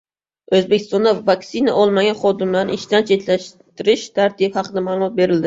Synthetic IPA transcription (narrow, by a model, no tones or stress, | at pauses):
ɵzbekʲʰɪst̪ɒnd̪avaksina̰ʔɒlˠmaɡʲanχɒd̪ɪmlaɾnɪɪʃt̪ant͡ʃʰet̪laʃt̪ɪɾɪʃt̪ʰaɾt̪ʰiphɑqɨd̪amaːlˠʊmɒt̪̚be̞ɾɪld̪ɪ